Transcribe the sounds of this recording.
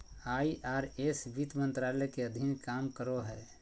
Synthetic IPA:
aːiʔaːɾesʋit̪mə̃nt̪ɾalɛkeəd̪ʱinkaːmkəɾoɦɛː

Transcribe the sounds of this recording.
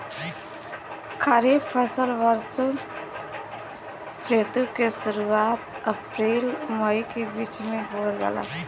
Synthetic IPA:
kʰəɾiːbpʰəːsəlʋəɾso | sɾeːt̪ukesəɾuaːt̪ | əpɾeːlməikebiːt͡ʃmẽboːld͡ʒa̰ːla̰ː

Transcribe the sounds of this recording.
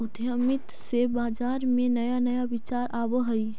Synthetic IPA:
ʊd̪ʱjəmɪt̪sebaːd͡ʒaːɾmẽnəjanəjaʋɪt͡ʃaːɾʔaːbəɦəi

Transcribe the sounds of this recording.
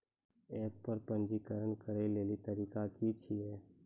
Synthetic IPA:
eːppəɾpə̃nd͡ʒikəɾənkəɾeleːlit̪əɾiːkakit͡ʃʰiɦɛː

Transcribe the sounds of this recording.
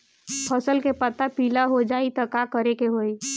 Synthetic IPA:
pʰəsəlkepət̪apiːlaɦod͡ʒaːit̪əkakəɾekeɦoi

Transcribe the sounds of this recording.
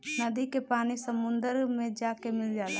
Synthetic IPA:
nɐd̪ikepaːnisəmʊ̃nd̪əɾmẽd͡ʒaːkemɪld͡ʒaːla

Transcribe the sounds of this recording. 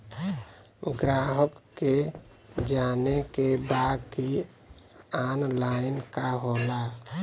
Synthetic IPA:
ɡɾaɦəkːe | d͡ʒanekebadki | anlainkaɦola

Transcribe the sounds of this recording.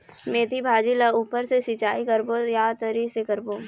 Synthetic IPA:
meːt̪ibʱaːd͡ʒilɐuːpəɾsesɪt͡ʃaːikɐɾbojaːt̪əɾisekɐɾboː

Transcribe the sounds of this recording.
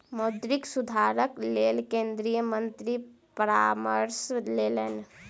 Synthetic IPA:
mod̪ɾiksud̪ʱaɾəklelkẽnd̪ɾijəmə̃nt̪ɾi | pəɾaməɾslelen

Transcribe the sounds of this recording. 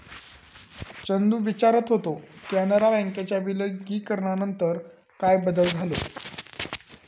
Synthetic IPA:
t͡ɕənd̪uːʋit͡ɕaɾət̪ɦot̪okanəɾabɛ̃ŋket͡ɕjabiləɡiːkəɾɳanənt̪əɾ | kajbəd̪əld͡zʱalo̰

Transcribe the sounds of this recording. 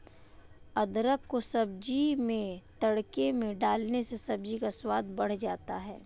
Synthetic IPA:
ɐd̪ɾəkːosɐbd͡ʒimẽt̪ɐɽkemẽɖaːlnesesɐb̚d͡ʒikaswaːd̪bɐɽ̤d͡ʒaːt̪aɦɛ̰ː

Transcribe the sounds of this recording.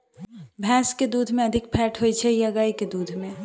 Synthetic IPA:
bʱɛːsked̪uːd̪ʱmẽɐd̪ʱɪk̚pʰɛːʈʰɦojt͡ʃʰɛjaɡaːiked̪uːd̪ʱmẽ

